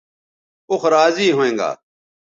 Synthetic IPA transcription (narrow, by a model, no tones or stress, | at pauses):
ʊxɾaːziːɦoːẽːŋɡa̰ː